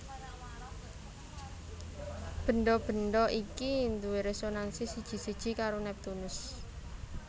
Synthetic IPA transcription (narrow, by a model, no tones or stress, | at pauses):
b̥ə̤nɖɔb̥ə̤nɖɔʔikind̪uweɾesonansisid̥ʒ̥i̤sid̥ʒ̥i̤kaɾonɛp̚t̪unʊs